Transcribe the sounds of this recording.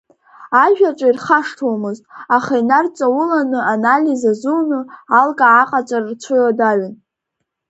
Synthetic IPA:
aʒᶣaʈ͡ʂʼairχaʂtʰomɨztʼaχajnart͡sʼawʊlanɨanalʲizazunɨalɡʼaːqʼat͡sʷʼarrt͡ɕʷʰʊjadaɥan

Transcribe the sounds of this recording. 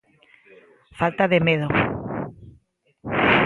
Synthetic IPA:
falt̪aðemeð̞o

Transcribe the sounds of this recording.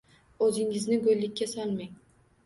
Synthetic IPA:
ɵzɪŋɪznɪɡɵllːɪkʲːasalˠmaŋ

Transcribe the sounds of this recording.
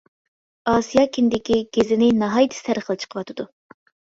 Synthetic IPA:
ɑːsijɑkʲʰind̪ɪkʲiɡʲezɪnɪnɑɦɑjt̪ʰɨ̥sæɾəχəlˠɨt͡ʃʰə̥qʰəvɑt̪ʰɨd̪u

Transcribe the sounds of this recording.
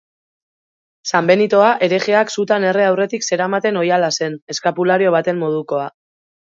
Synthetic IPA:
sambe̞nit̪o̞aʔe̞ɾe̞ɣeaksut̪ane̞reawre̞t̪ikse̞ɾamat̪e̞no̞jalase̞ne̞skapulaɾio̞β̞at̪e̞mːo̞ð̞uko̞a

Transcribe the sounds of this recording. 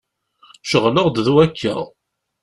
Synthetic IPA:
ʃəʁnəʁd̪ðuækʰːæ̰

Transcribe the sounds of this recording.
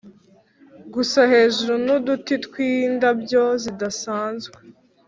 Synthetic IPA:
ɡusahe̞ːʒuɾunudutitkwiːndabɟo̞zidasaːnzɡwe

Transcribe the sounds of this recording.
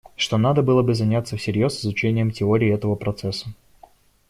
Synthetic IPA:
ʂt̪o̞nad̪əbɨlˠəbɨzɐnʲat̪sːəfsʲɪɾʲjo̞sɨzʊt͡ɕenʲɪjəmtʲɪoɾʲɪːɛt̪əvəpɾɐt̪sɛsːə̥

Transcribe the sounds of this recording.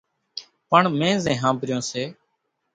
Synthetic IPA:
pəɳmẽːzẽːɦãːbɾɪjõːseː

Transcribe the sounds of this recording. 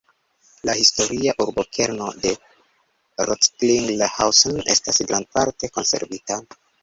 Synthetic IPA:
lahisto̞ɾiaʔuɾbokʰe̞ɾno̞de̞ | ɾotkliŋɡlehawsone̞̰stasɡɾanpaɾte̞ko̞̰nse̞̰ɾvita

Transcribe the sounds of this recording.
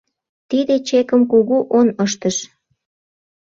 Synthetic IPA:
t̪id̪et͡ɕekəmkuɣuʔonəʃt̪əʃ

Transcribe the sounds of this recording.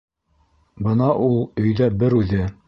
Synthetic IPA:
bɤnɑʔulˠɵ̆jðæbɘɾʉðɘ

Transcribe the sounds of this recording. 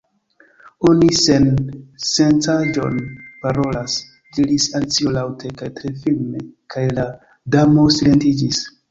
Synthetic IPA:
onise̞nse̞ntad͡ʒo̞̰npaɾo̞las | diɾisalt͡siolawtʰe̞kajtɾe̞filne̞kʰajla | damo̞sile̞ntid͡ʒis

